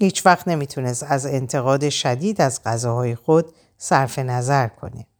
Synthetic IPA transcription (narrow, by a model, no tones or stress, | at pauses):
hiːt͡ʃʰvæxt̪ne̞miːt̪ʰunest̪æze̞nt̪ʰe̞ɣɒːd̪e̞ʃæd̪iːd̪æzɢæzɒːɦɒːjexo̞d̪̥ | sæɾfe̞næzæɾkʰo̞̰ne